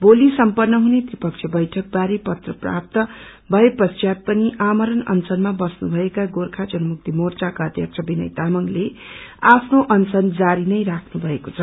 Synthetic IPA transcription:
bolisʌmpʌrnːʌɦunet̪ripʌk̚t͡ʃʰjʌbʌjʈʰʌk̚baɾepʌt̪rʌpra̰p̚t̪ʌ | bʱʌepʌsjat̪̚pʌniʔamʌɾʌnʌ̰nsʌnmabʌsnubʱʌekaɡorkʰat͡sʌnumuk̚t̪imort͡sakaʌd̪jʌk̚t͡sʰʌbinʌ̰jt̪amʌŋleapʰnoʔʌnsʌnd͡zaɾinʌjɾakʰnubʱʌekot͡sʰʌ

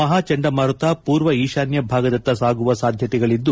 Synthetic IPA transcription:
ɐɦaːt͡ʃɐɳɖɐmɐɾut̪apuːɾʋɐiːʃaːnjɐbʱaːɡɐd̪ɐnt̪ːɐsaːɡuʋɐsaːd̪ʱjɐt̪ɛɡɐɭid̪ːu

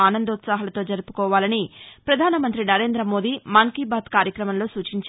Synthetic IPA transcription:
aːnɐnd̪ɐut̪saːɦɐlɐt̪o̞ːd͡ʒɐɾupu̥kɔːʋaːlɐnipɾɐd̪ʱaːnɐmɐnt̪ɾinɐɾe̞ːnd̪ɾɐmo̞ːd̪iːmɐŋkibaːd̪kaːɾjɐkɾɐmɐmlo̞ːsuːt͡ʃiɲt͡ʃ

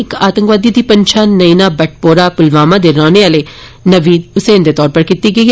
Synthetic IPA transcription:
ɪkaːt̪ə̃ŋkʋaːd̪iːd̪iːpəɲt͡ʃʰaːnəiːnaːbəʈ̚ʰpoːɾaːpʊlʋaːmãːd̪eːɾaːneːaːleː | nəʋiːʊseːnd̪eːt̪ɔːɾpəɾkiːt̪iːɡəi

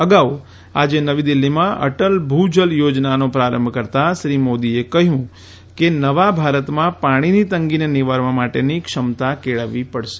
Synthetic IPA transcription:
əɡao | ad͡ʒenəʋid̪ɪlːimãʔə̰ʈəlbʱud͡ʒəljod͡ʒnanopɾaɾə̰mbʱkəɾt̪aʃɾimod̪iekəɦjũ | kenəʋabʱaɾət̪mãpaɽ̃init̪əŋɡineniʋaɾʋãmaʈenikʃəmt̪akeɭəʋipəɽʃe̥

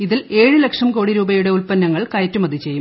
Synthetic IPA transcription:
iðile̞ːɻɨlɐkʂɐmko̞ːɽiɾuːbɐjuɽe̞ulpɐnːɐŋːɐɭkɐjɐtːumɐd̪ʱit͡ɕe̞jːum

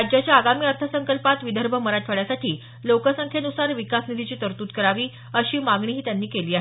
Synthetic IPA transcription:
d͡ʑjat͡ɕjaːɡamiːəɾt̪ʰəsəŋkəlpat̪ʋid̪ʱəɾbʱəməɾaʈʰʋəɭjasaʈiː | lokəsəŋkʰenusaɾʋikasnid̪ʱit͡ɕiːt̪əɾt̪uːt̪kəɾaʋiː | əɕiːmaɡɳiːɦiːt̪janːiːkeliːaɦ

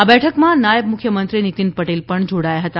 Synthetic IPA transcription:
abɛʈʰəkmãnajəb̚mʊkʰːjəmənt̪ɾinit̪inpɐʈelpəɳd͡ʒʱoɽaːjaɦɐt̪a

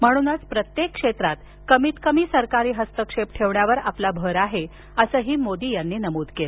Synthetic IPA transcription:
m̤əɽ̃uːnat͡spɾət̪jekːʂet̪ɾat̪ | kəmiːt̪kəmiːsəɾkaɾiːɦəst̪əkʂep̚ʈʰeʋɳjaʋəɾaplabʱəɾaɦe | əsəːɦiːmod̪iːjanːiːnəmoːd̪kel

